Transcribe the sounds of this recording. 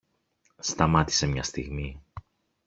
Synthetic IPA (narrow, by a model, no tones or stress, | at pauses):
st̪ɐmɐt̪i̥se̞mɲɐst̪iɣmi